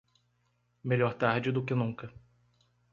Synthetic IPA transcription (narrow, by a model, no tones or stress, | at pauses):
meʎɔɾt̪aɾd͡ʒɪd̪ʊkɪnũkɐ